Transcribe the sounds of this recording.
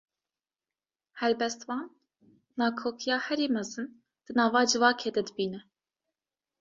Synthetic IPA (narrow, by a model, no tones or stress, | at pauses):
hɛɾbɛst̪wɑːnː | ɑːkʰoːkʰijɑːhɛɾiːmɛzɨn | d̪̥ɨnɑːvɑːd͡ʒɨvɑːkʰeːd̪ɛd̪ɨbiːnɛ